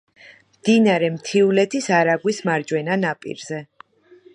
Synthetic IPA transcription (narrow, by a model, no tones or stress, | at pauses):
md̪inaɾɛmt̪ʰiulɛt̪ʰisaɾaɡwismaɾd͡ʒwɛnanapʼḭɾzɛ